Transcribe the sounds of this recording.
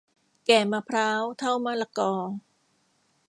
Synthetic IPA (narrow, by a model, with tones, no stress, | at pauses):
kɛː˨˩maː˧pʰɾaː˦˥wt̪ʰa˥˩wmaː˧˥˩la˧kɔː˧